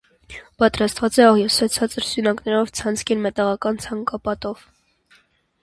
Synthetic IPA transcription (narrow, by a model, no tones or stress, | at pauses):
pɑt̪ɾɑst̪vɑt͡sɛɑʁjɔsɛt͡sʰɑt͡səɾsunɑknɛɾɔvt͡sʰɑnt͡sʰkʰinmɛt̪ɑʁɑkɑnt͡sʰɑŋkɑpɑt̪ɔv̥